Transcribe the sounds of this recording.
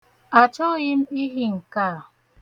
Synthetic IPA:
a˨t͡ʃɔ˦ɣɪ˦m̩˦i˦ɦi˦ŋ̩˨ka˦˨

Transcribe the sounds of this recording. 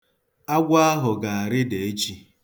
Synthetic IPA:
a˦ɡʷa˦a˦ɦʊ˨ɡa˨a˨ɾɪ˦de˨e˦t͡ʃi˦

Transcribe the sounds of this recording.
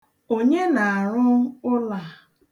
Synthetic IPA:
o˦ɲe˦na˨a˨ɾʊ˦ʊ˦la˨

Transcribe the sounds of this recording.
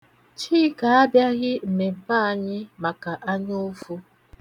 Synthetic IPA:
t͡ʃiː˦ka˨a˦bja˦ɣɪ˦m̩˨me˨ba˦a˨ɲɪ˦ma˨ka˨ʔa˦ɲ˦o˦fu˦

